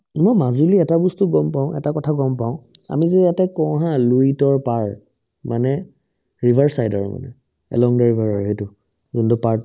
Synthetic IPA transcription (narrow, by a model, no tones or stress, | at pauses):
mɔjmazuliɛtabustʊɡɔmpaʊ̃ʔɛ̰takɔtʰaɡɔmpaʊ̃a̰mizɛjatɛkɔ̃w̃ɦãluitɔɹpaɹ | manɛ | ɹibʱaɹsajda̰ɹuma̰nɛ̰ | ɛ̰lɔŋdaɹibaɹaɹuɦetʊ | zuntʊpaɹ